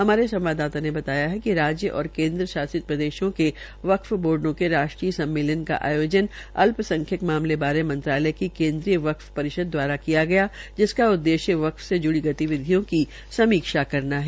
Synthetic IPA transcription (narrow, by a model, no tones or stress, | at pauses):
ɦɐmaːɾesɐ̃mʋaːd̪aːt̪anebɐt̪aːjaɦɛkiɾaːd͡ʒjəʔɔ̰ːɾkẽːnd̪ɾəʃaːsɪt̪̚pɾɐd̪eːʃõke | ʋɐkfboːɾɖnõkeɾaːʃʈɾiːəsɐ̃mːeːlənka̰ʔa̰ːjoːd͡ʒənɐlpsɐ̃ŋkʰjəkmaːmlebaːɾemɐ̃nt̪ɾaːləkikẽːnd̪ɾijəʋɐkfpɐɾɪʃəd̪̚ːwaːɾakijaɡɐjad͡ʒɪskaʊd̪ːeːʃjəʋɐkfsed͡ʒʊɽiɡɐt̪iʋɪd̪ʱijõki | sɐmiːkʃakɐɾnaɦɛː